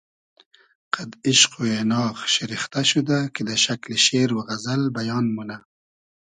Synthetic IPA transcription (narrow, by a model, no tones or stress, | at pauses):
qad̪ɪʃqujenɑːɣʃɪɾixt̪aʃud̪aked̪əʃakleʃeɾwaɣazalbajɑːnmuna